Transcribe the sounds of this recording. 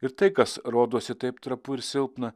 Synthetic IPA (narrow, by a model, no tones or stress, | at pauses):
ɪɾt̪ɐɪkɐsɾoːd̪oːsʲɪt̪ɐɪpt̪ɾɐpʊɪɾʲsʲɪlˠpnɐ